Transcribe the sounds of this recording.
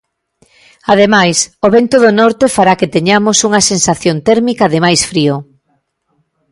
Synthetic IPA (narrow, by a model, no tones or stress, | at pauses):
aðemajsoβent̪oðonɔɾt̪efaɾaket̪eɲamʊsuŋɐsensaθjont̪ɛɾmikɐðɪmajsfɾio